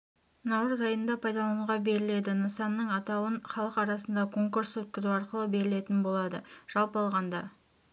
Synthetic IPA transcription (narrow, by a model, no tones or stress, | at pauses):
nɑwəɾzɑjənd̪ɑpʰɑjd̪ɑlˠɑnuʁɑbe̞ɾɪle̞d̪ɪnəsɑnːəɴɑt̪ɑwəɴχɑlˠəqɑɾɑsənd̪ɑkʰo̞ŋkuɾswɵt̪̚kʲɪzuɑɾqəlˠəbe̞ɾɪle̞t̪ɪnbo̞lˠɑd̪ə̰ʒ̥ɑlˠpəɑlˠʁɑnd̪ɑ